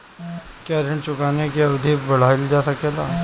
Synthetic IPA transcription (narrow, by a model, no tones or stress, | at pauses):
kjaɾẽɳʈt͡ʃʊkaːnekeɐbd̪ʱibɐɽ̤aːɪld͡ʒaːsɐkeːlaː